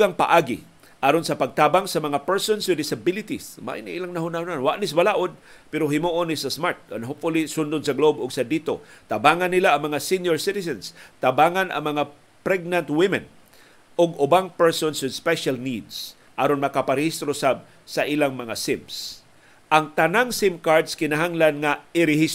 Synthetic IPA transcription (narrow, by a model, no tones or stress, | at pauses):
ɡaŋpa̰ʔaɡɪ̰ | ʔaɾonsɐpaɡ̚t̪aːbaŋsɐmɐŋapɛɹsonsʊd̪ɪsabɪlɪt̪isma̰ʔɪniʔilaŋnaɦʊnahʊnanwaʔnɪsbalaʔod̪̚ | pɛɾoɦɪmuʔonɪsasmaɹt̪̚anɦopfʊlisʊnd̪ʊnsɐɡlobʊɡsɐd̪iːt̪ot̪abaːŋanːilaɐŋmɐŋasinjoɹsɪt̪ɪs̬ɛnst̪abaŋanɐ̰ŋmɐŋa | pɾɛɡ̚nant̪wɪmɛn | ʔʊɡʊbaŋpɛɹsonsʊspɛʃalnid̪s | ʔaːɾonmɐkapaɾɪhist̪ɾosab̚ | saʔilaŋmɐŋasɪms | ʔaŋt̪anaŋsɪmkaɹd̪skɪnaɦaŋlanŋaɪɾɪhis